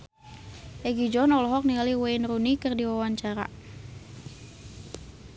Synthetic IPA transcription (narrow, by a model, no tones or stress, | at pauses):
ʔɛɡid͡ʒɔnɔlɔɦɔk̚nialiwaɪnrunikɨrdiwawaɲt͡ʃaɾa̰